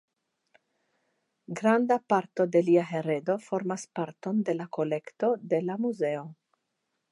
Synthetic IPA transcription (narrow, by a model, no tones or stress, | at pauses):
ɡɾand̪apaɾt̪o̞d̪e̞liaɦe̞ɾed̪o̞fo̞ɾmaspaɾt̪o̞nd̪e̞lako̞lekt̪o̞d̪e̞lamuze̞o